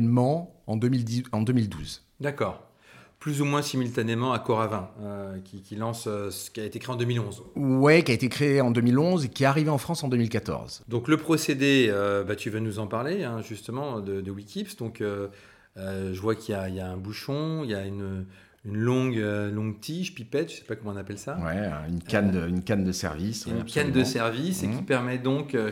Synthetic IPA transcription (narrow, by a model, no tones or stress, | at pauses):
nmɑ̃ɑ̃d̪əmild̪ɑ̃d̪ømild̪ṵz | d̪akɔːʁ | plyzumwɛ̃simylt̪anemɑ̃akɔʁavɛ̃økʲikʲilɑ̃søsə̥kʲiaet̪ekχeɑ̃d̪əmilɔ̃zwɛkʲiaet̪ekχeeɑ̃d̪ømilɔ̃zekʲiɛaʁiveɑ̃fχɑ̃sɑ̃d̪ømilkat̪ɔ̰ʁzd̪ɔ̃kləpχɔsed̪eøbat̪yvanuzɑ̃paʁleɛ̃ʒyst̪əmɑ̃d̪əd̪əwikʲipsd̪ɔ̃kø | øʒəvwakiljaijaɛ̃buʃɔ̃iljaynø | ynlɔ̃ɡølɔ̃ɡt̪ʰiʃpipɛt̪̚t̪ːy̥sɛ̥pakɔmɑ̃ɔ̃napɛlsawɛ̰ɛ̰̃ynkand̪əynkand̪əsɛ̰ʁvisɛnkand̪əsɛʁvisekʲipɛʁmɛd̪ɔ̃kø